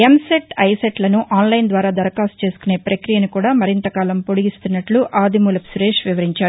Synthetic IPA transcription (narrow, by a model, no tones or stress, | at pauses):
emseʈɐjseʈlɐnuʔaːnlɐjnd̪ʋaːɾaːd̪ɐɾɐkaːsu̥t͡ʃe̞ːsu̥kune̞ːpɾɐkɾijɐnikuːɽaːmɐɾint̪ɐkaːlɐmpoɽiɡist̪unːɐʈluʔaːd̪imuːlɐpsuɾeːʃʋiʋɐɾiɲt͡ʃaːɾu